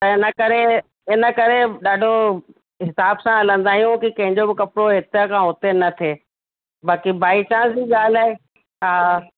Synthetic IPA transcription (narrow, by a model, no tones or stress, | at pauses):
t̪ɐɪnəkɐɾe | ɪnəkɐɾeɗaːɖʱo | ɦɪsaːbsãɐlə̃nd̪aːijũkikɐ̃ɦɪ̃ɲd͡ʑobɪkɐpɾoɦɪt̪əkʰãːɦʊt̪enɐt̪ʰeː | baːkibaːit͡ɕãːsiːɠaːlaːe | ɦaː